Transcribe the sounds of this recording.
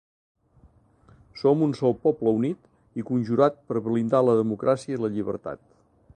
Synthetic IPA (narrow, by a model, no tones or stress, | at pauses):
sɔmunsɔlˠpɔpləunit̪ | ikunʲʒuɾat̪̚pəɾβlind̪aləðəmukɾʔasiəiləʎiβə̰ɾt̪a̰t̪̚